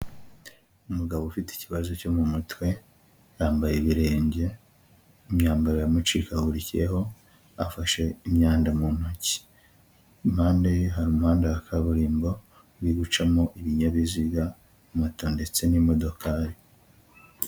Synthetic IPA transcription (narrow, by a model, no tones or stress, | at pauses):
umuɡaβofiti̥ciβazo̞co̞mumutwe̞ | ɾaːmbajeβiɾe̞ːɲɟe̞ | imɲaːmbaɾojamut͡ʃikahuɾicijḛɦo̞ | afaʃe̞imɲaːndamun̥oci̥ | mhaːndajeɦaɾumuhaːndajakʰaβuɾiːmbo̞ | βiɡut͡ʃamoʔiβiɲaβiziɡa | mutonde̞t͡se̞nimo̞do̞kaːɾi